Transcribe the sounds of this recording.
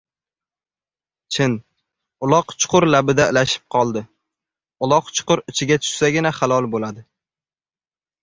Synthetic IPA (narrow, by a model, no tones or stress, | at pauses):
t͡ʃʰɪn | ʊlˠɒqt͡ʃʰʊ̥qʰʊɾlabɪd̪aɪlaʃɪ̥p̚qʰɒlˠd̪ɪ | ʊlˠɒqt͡ʃʰʊ̥qʊɾɪt͡ʃʰɪɡʲat͡ʃʰʊ̥ʃsaɡʲɪnaχalˠɒlˠbolad̪ɪ